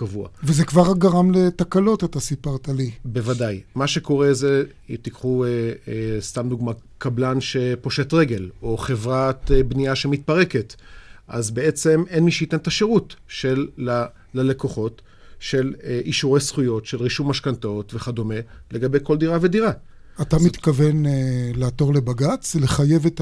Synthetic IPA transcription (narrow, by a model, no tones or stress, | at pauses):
kavua̰vezekvaʁɡaʁamlet̪akalo̞tat̪asipaʁt̪alibe̞vadajmaʃe̞ko̞ʁeze | t̪ikχuest̪amd̪uɡmakablanʃe̞po̞ʃe̞t̪ʁe̞ɡe̞lo̞χe̞vʁatbniaʃemit̪̚paʁe̞ketʔa̰zbe̞et͡se̞menmiʃeitentaʃeʁutʃelː | ale̞ko̞χo̞t | ʃe̞lʔiʃuʁejsχujo̞tʃe̞lʁiʃumaʃkantaotve̞χado̞me̞le̞ɡabe̞jko̞ldiʁave̞diʁa | atamit̪kavenlaat̪o̞ʁlebaɡat͡sleχaje̞vet